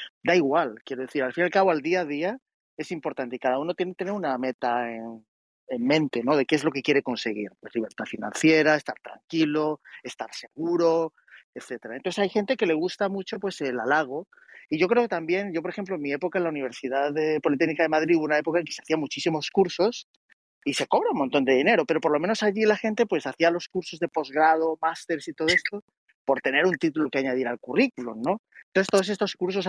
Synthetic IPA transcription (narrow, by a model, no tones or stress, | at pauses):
d̪aiɣwalkje̞ɾo̞ðe̞θiɾalfinalkaβo̞ald̪iað̞ia | e̞simpo̞ɾt̪ant̪eikaðauno̞t̪jenet̪eneɾuname̞t̪aen | emmẽ̞nt̪e̞no̞ðe̞keezlo̞kekje̞ɾe̞ko̞nse̞ɣḭɾpwe̞sliβe̞ɾt̪afinã̰nθje̞ɾae̞st̪aɾt̪ɾa̰ŋkilo̞e̞st̪aɾse̞ɣuɾo̞ | eθe̞t̪eɾaent̪oθesajxe̞nt̪e̞ke̞le̞ɣ̞ust̪amut͡ʃopwe̞se̞lalaɣ̞o̞ | iʝo̞kɾe̞o̞ket̪ambje̞nʝo̞p̬oɾe̞xe̞mploenmie̞po̞kaenlauniβ̞e̞ɾsiðaðepo̞lit̪eɣnikaðe̞maðɾiuβunae̞po̞kae̞ŋke̞seaθiamut͡ʃisimo̞skuɾso̞s | ise̞ko̞βɾaunmont̪o̞nd̪e̞ðine̞ɾo̞pe̞ɾo̞po̞ɾlo̞menosaʝilaxe̞nt̪e̞pwe̞saθialo̞skuɾso̞zðepo̞zɣɾað̞o̞mast̪e̞ɾsit̪o̞ð̞oe̞st̪o̞ | po̞ɾt̪e̞ne̞ɾunt̪it̪ulokeaɲaðiɾalkurikulo̰nːo̞noθet̪oðo̞sest̪o̞skuɾs̬o̞s